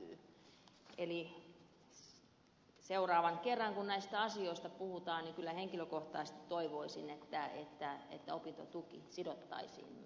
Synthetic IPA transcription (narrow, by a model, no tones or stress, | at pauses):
eli | seurɑːʋɑŋkerːɑŋkunnæist̪æɑsioist̪ɑpuhut̪ɑːnnikylːæheŋkiløkoht̪ɑːsest̪it̪toiʋoisinet̪ːæḛt̪ːæḛt̪ːæopint̪o̰t̪ukḭsidot̪ːɑ̰isḭːn